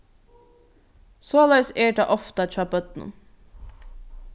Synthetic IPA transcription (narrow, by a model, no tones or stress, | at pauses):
soːlɛɡseːʈɑʔɔft̪ɑt͡ʃɑpœt̪nə̰